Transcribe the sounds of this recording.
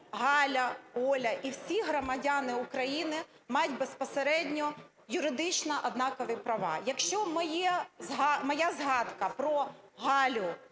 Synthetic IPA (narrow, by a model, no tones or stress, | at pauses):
ɦɑlʲɐɔlʲɐʔiwsʲiɦɾɔmɐdʲanɪʊkɾɐjinɪ | mɑjʊdʲtʲbespɔseɾɛdʲnʲɔ | jʊɾɪd̪ɪt͡ʃnɐʔɐd̪nɑkɔʋɪpɾɐʋɑ̰jɐkʃt͡ʃɔmɔjɛzɦɑmɔjazɦɑd̪kɐpɾɔɦɑlʲʊ